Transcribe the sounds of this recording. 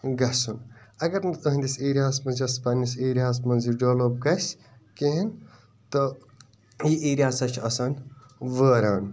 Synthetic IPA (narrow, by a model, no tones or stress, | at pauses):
ɡɐsunɐɡɐɾnɐɐɦinʲd̪iseːɾiaːsmɐnzʲɐspɐnʲːiseːɾiaːs̬mɐnziɖoːloːb̚ɡɐs | keɦin | t̪o | jiʔeːɾʲiaːsɐt͡ʃʰɐsɐn | ʋəːɾaːn